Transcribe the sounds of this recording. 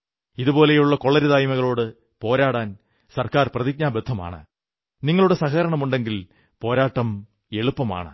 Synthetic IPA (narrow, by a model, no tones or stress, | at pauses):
iðubpo̞ːle̞juɭːɐkoɭːɐɾiðaːjmɐɣɐɭo̞ːɽɨ | po̞ːɾaːɽaːn | sɐrkaːrprɐðik̚ɲaːbed̪ʰʱːɐma̰ːɳɨ̰ | niŋːɐɭuɽe̞sɐɣɐɐɾɐɳɐmuɳɖe̞ŋɡil | po̞ːɾaːʈːɐm | e̞ɭupːɐma̰ːɳɨ̰